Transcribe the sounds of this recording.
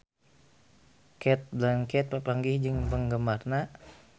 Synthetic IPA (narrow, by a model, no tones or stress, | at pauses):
kɛt̪̚blaŋkɛt̪̚pəpaŋɡihd͡ʒɨŋbəŋɡəmarna